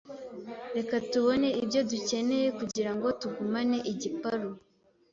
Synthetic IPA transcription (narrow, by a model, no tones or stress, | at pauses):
ɾe̞katuβo̞ne̞ibjo̞duce̞ne̞je̞kuɟiɾaŋɡo̞tuɡumane̞ʔiɟipaɾo